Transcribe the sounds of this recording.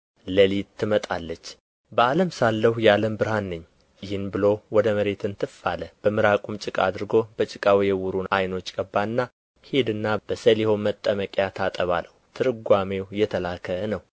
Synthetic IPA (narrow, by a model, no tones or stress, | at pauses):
ləlit̪ʰːɨmət̪ʼalːət͡ʃː | bəaləmsalːəhujaləmbɨɾhanːɨɲː | jɪhɨnbɨlo̞wɔd̪əməɾe̞t̪ɨnt̪ʰɨfaləb̥əmɨɾakʼumt͡ʃʼɨkʼa̰d̪ɨɾɡo̞bət͡ʃʼɨkʼawjɛwuɾunajno̞t͡ʃːkʼəbːaɨnːa | hed̪ɨnːab̥əsəliho̞mət̪ʼːəməkʼjat̪ʰat̪ʼəβa̰ləwut̪ʰɨɾɨɡʷamewjɛt̪ʰəlakʰːəənəw